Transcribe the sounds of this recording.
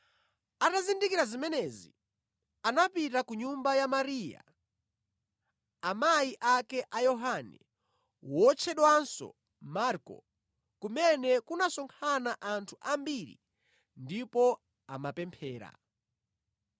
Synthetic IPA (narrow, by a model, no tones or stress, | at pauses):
atazindikiɾazimɛnɛzḭ | anapitakuɲumbajamaɾija̰ | amajiʔakɛʔajɔɦanɛ̰ | wɔt͡ʃʰɛɗwansɔ̰ | maɾkɔ̰ | kumɛnɛkunasɔŋkʰanaʔantʰuʔambiɾḭ | ndipɔ | a̰mapɛmpʰɛːɾa̰